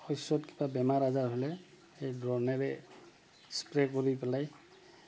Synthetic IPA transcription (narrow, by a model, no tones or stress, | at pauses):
ɔjsɔtki̥babɛmaɹazaɹɦolɛ | ejdɹɔɹnɛɹɛ | spɹekoɹipɛlaj